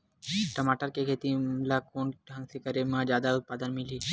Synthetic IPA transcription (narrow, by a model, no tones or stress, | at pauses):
ʈɐmaʈəɾkekʰeːt̪ilakoːnɦə̃ŋsikəɾemə̃d͡ʒjaːd̪aʊt̪̚paːd̪ənmiliː